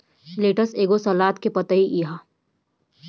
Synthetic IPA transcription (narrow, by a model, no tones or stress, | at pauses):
leːʈəseːɡosɐlaːt̪kepɐt̪əiʔiɦa